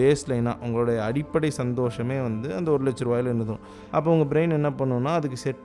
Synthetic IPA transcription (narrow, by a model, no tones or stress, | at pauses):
eːslɐnːa̰ːʔʊŋɡɐɭoːɽɐjɐɐɽɪpːɐɽɐɪsɐnd̪oːʂɐmeːʋɐnd̪ɯɐnd̪ɐɔɾɯlɛt͡ʃːɯɾɯʋaːjlɛnːɯðɯʊ̃ | ʔɐpːoːʊŋɡɐbɾeɪnɛnːɐpɐɳːʊ̃nːaːɐðɯk̬ːɯsɛʈː